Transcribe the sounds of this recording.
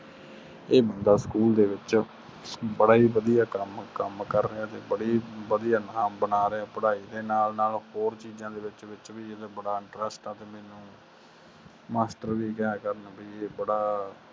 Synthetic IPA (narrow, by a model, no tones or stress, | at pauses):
eːbənd̪aːskuːld̪eːʋɪt͡ʃ | bəɽaːiːʋəd̪ijaːkəmkəmkəɾːəaːt̪eːbəɽiːʋəd̪ijaːnaːmbənaːɾeaːpəɽaːiːd̪eːnaːlnaːlhoːɾt͡ʃiːzãːd̪eːʋɪt͡ʃʋɪt͡ʃʋiːɪt̪ːbəɽaːɪɳʈɾəsʈɛːt̪eːmɛːnũː | maːsʈəɾʋiːkɛːkəɾənbiːeːbəɽaː